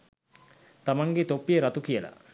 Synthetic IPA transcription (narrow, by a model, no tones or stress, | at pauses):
t̪amɐŋɡet̪opːijəɾɐt̪ukijəla̰